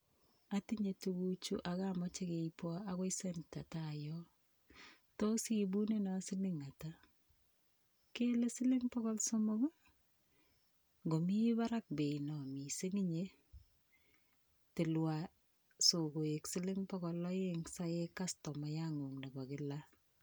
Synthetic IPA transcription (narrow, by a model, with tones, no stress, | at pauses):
a˦ti˦ɲe˨tuɡu˦t͡ʃu˦ʔa˨ɣa˦mɔ˦t͡ʃe˦keipɔ˦a˦kɔ˦isɛ˦nta˨tajɔ˦ | to˦si˦bu˦ne˦na˨˦sɪ˦lɪ˦ŋa˨ta˦ | ke˦le˦sɪ˦lɪ˦ŋpɔ˦kɔ˦lso˦mɔ˦ɡo˦ | ɡo˨mi˦ba˦ɾa˦k̚be˨inɔ˨mi˨se˦ŋi˦ɲe˦ | tɪ˨lwa˨ | so˨ɡo˨e˨ksɪ˦lɪ˦ŋpɔ˦kɔ˨lɔ˦je˦ŋsa˦je˦ka˦stɔ˨ma˨ja˦ŋu˨ŋna˨ba˨kɪ˦la˦